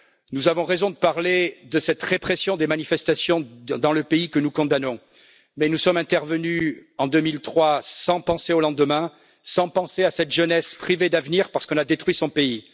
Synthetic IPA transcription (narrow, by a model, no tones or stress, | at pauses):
nuzavɔ̃ʁezɔ̃d̪əpaʁled̪əsɛt̪ʁepχesjɔ̃d̪emanifɛst̪asjɔ̃d̪ɑ̃ləpeikənukɔ̃d̪anɔ̃ | mɛnusɔmɛ̃t̪ɛʁvənyɑ̃d̪ømilt̪χwasɑ̃pɑ̃seolɑ̃d̪əmɛ̃ | sɑ̃pɑ̃seasɛt̪ʒənɛspχived̪avniʁpaʁsə̥kɔ̃nad̪et̪χɥisɔ̃pei